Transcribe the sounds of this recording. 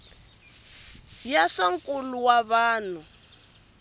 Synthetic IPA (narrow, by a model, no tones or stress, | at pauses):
jaʂɔŋkʼuluwaβaːn̤u